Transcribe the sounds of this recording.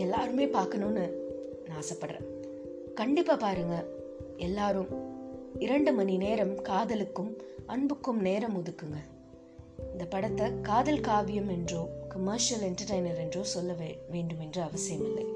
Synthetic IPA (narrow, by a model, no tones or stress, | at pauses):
ɛlːaːɾɯmeːpaːɾkɐnoːnːɯ | nãːɐsɐpːɐɽɾḛ̃ː | kɐɳɖɪpːaːpaːɾɯŋɡɐ | ɛlːaːɾɯm | ɪɾɐɳɖɯmɐnineːɾɐmkaːðɐlɯkːɯmɐɳbɯkːɯmneːɾɐmʊðɯkːɯŋɡɐ | ɪnd̪ɐpɐɽɐt̪ːɐkaːðɐlkaːʋɪjɐmɛndroːkɐmɐɾʂɪɐlɛɳʈɐɾʈɐɪnɐɾɛndroːsɔlːɐʋʋeːɳɖɯmɛndrɯɐʋɐsɪjɐmɪlːɐ̰ɪ